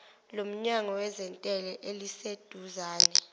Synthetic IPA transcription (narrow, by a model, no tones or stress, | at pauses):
lom̩ɲaŋɔwɛzɛntʼɛlɛʔelised̥ʱuzaːnɛ